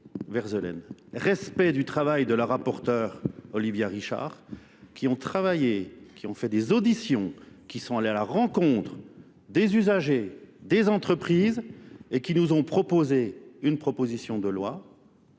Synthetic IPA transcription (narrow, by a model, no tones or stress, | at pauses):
vɛʁzəlɛ̰nʁɛspɛd̪yt̪χavajd̪əlaʁapɔʁt̪œʁɔlivjaʁiʃa̰ʁ | kʲʰiɔ̃t̪χavajekʲiɔ̃fɛd̪ezod̪isjɔ̃kʲisɔ̃alealaʁɑ̃kɔ̃t̪χ | d̪ezyzaʒed̪ezɑ̃t̪χəpχiːzekʲinuzɔ̃pχɔpozeynpχɔpozisjɔ̃d̪əlwa